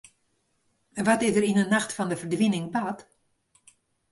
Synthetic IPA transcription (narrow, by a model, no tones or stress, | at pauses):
ɛnʋɔtɪzdərinənaxtfɔndəvərdʋɪnɪŋbat